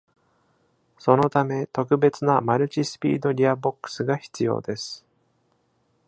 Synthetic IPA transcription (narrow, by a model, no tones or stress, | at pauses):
so̞no̞t̪ame̞t̪o̞kɯ̟be̞t͡sɨnamaɾɯ̟t͡ɕisɨ̥pʲḭːd̪o̞ɾʲiabo̞kːɯ̥sɨɡaçi̥t͡sɨjo̞̰ːd̪e̞sɨ̥